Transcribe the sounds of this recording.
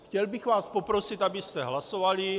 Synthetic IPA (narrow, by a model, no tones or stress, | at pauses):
xcɛlbiɣvaːspopɾosit̪abist̪ɛɦlasovali